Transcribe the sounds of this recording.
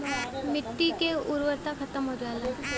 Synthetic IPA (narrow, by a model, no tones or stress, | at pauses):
mɪʈ̪ːikeʊɾwəɾt̪axʰɐt̪əmɦod͡ʒaːlaː